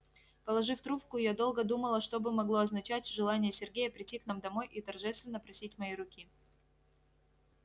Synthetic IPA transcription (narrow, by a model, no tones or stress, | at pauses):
pəlˠɐʐɨft̪ɾupkʊjad̪o̞lˠɡəd̪uməlˠəʂt̪obɨmɐɡlˠo̞ɐznɐt͡ɕætʲʐɨlˠanʲɪjəsʲɪrɡʲejəpɾʲɪtʲːikn̪amd̪ɐmo̞jʔit̪ɐrʐɛst̪vʲɪnːəpɾɐsʲitʲmɐjiɾʊkʲi